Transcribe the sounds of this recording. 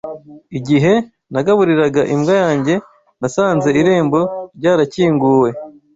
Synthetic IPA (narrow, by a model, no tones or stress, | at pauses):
iɟiɦe̞ | naɡaβuɾiɾaɡaʔimɡajaːɲɟe̞ | nasaːnze̞iɾe̞ːmbo̞ɾɟaːɾaciːŋɡuːwe̞